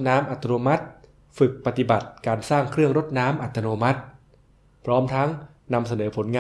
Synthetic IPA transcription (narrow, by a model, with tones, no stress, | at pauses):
naː˦˥mʔa˨˩t̪ʰːa˧noː˧ma˦˥t̪̚ | fɯ˨˩k̚pa˧t̪i˨˩ba˨˩t̪̚kaː˧nsaː˥˩ŋkʰɾɯ˥˩əŋɾo˦˥t̪̚naː˦˥mʔa˨˩t̪ʰːa˧noː˧ma˦˥t̪̚ | pʰɾɔː˦˥mt̪ʰa˦˥ŋ | na˧msa˧nɤː˩˦pʰo˩˦nŋaː˧